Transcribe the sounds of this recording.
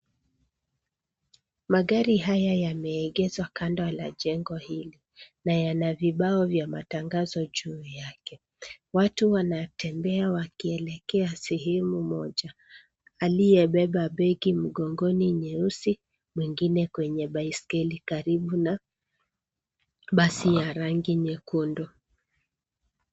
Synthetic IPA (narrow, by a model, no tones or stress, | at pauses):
maɠaɾiɦajajamɛːɠɛzwakandala̰ʄɛŋɡɔhili | najanaviɓaɔvjamataŋɡazɔʄuːjakɛ | watuwanatʰɛmbɛawakiɛlɛkɛasɛɦɛmumɔʄa | alijɛɓɛɓaɓɛɡim̩ɡɔŋɡɔniɲɛusi | mwiŋɡinɛkwɛɲɛɓaiskɛlikaɾiɓuna | ɓasijaɾaŋɡiɲɛkundɔ